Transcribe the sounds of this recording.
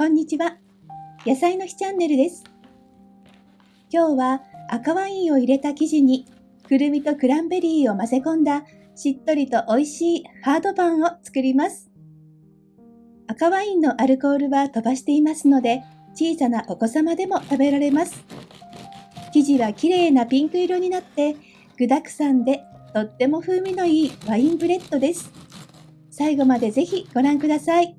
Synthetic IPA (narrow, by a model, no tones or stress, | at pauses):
kõ̞ɲ̟ːit͡ɕiβa | jasaino̞çʲi̥t͡ɕãnːe̞ɾɯ̟d̪e̞sɨ̥ | kʲo̞ːβaːkaβaĩɰ̃o̞iɾe̞t̪akʲiʑiɲ̟i | kɯ̟ɾɯ̟mʲit̪o̞kɯ̟ɾãmbe̞ɾʲiːo̞mase̞kõ̞nd̪a | ɕit̪ːo̞ɾʲit̪o̞ʔo̞iɕiːhaːd̪o̞bãɰ̃o̞t͡sɨ̥kɯɾʲimasɨ̥ | akaβaĩnːo̞ʔaɾɯ̟ko̞ːɾɯ̟βat̪o̞baɕi̥t̪e̞imasɨno̞d̪e̞ | t͡ɕiːsanaʔo̞ko̞samad̪e̞mo̞t̪abe̞ɾaɾe̞masɨ̥ | kʲiʑiβakʲiɾe̞ːnapʲĩŋkɯ̟iɾoɲ̟inat̪ːe̞ | ɡ̥ɯ̟d̪akɯ̟̥sãnd̪e̞t̪o̞t̪ːe̞mo̞ɸɯ̟ːmʲino̞iːβaĩmpɯ̟ɾe̞t̪ːo̞d̪e̞sɨ̥ | saiɡo̞mad̪e̞ze̞çiɡ̥o̞ɾãŋkɯ̟d̪asai